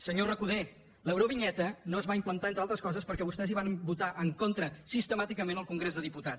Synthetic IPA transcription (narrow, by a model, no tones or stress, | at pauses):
səɲorəkuðe | ləwɾoβiɲɛt̪ənoəzβaimplənt̪aent̪ɾalˠt̪ɾəskɔzəspəɾkɛβust̪ɛziβ̞anbut̪aʔəŋkont̪ɾəsist̪əmat̪ikəmenəlˠkuŋɡɾezðəðiput̪at